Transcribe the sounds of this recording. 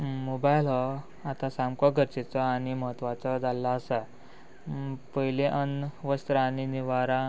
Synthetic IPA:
mobajlɦɔ | at̪asamkɔɡʱəɾt͡ɕet͡sɔaɽ̃iməɦət̪ʋat͡sɔd͡zalːaːsa | pəɦileʔənʋəst̪ɾəañiniʋaɾã

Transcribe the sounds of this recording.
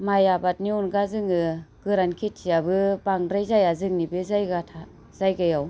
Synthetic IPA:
majabat̚niɔnɡazɯŋɯɡ̥ɯɾankʰetʰijabɯbaŋɾajzajazɯŋnibɯzajɡatʰa | z̥ajɡajaw

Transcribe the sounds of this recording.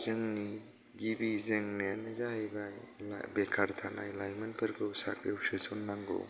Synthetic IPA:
zɯŋni | ɡibizeŋneanɯzahajbaj | la̰bekʰaɾtʰana̰jlajmɐnpʰɐɾɡɯwsakɾewsɯsɔnːaŋɡo̰

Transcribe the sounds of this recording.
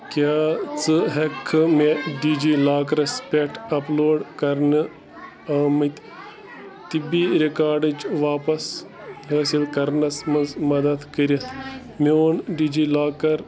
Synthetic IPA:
kʲaːt͡sɨɦekʰːɨmeɖid͡ʒiːlaːkɐɾɐspʲeʈʰɐploːɖkɐɾnɨ | ɐːmɨt̪ʲ | t̪ibiɾikaːɾɖɨd͡ʒʋaːpɐs | ɦəːsilkɐɾnɐsmɐnzmɐd̪ɐd̪kəɾɐt̪ʰ | meoːnɖid͡ʒilaːkɐɾ

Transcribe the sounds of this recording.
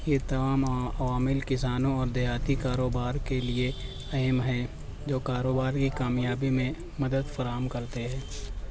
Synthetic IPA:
jet̪ɐmaːmɐʋaːmɪlkɪsaːnõɔːɾd̪ɛɦaːt̪ikaːɾoːbaːɾkelie | ɐɦɛmɦɛ | d͡ʒoːkaːɾoːbaːɾkikaːmjaːbimẽ | mɐd̪əd̪fɐɾaːɦəmkɐɾt̪eɦɛ̃ː

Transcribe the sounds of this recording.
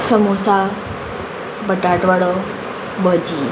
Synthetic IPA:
səmusa | bəʈaʈʋəɽo | bəd͡ʒi

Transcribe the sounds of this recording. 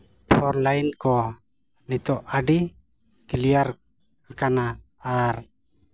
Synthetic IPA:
pʰɔɾlajnkɔ | nit̪ɔʔaɖi | kilijaɾ | kakana | aɾ

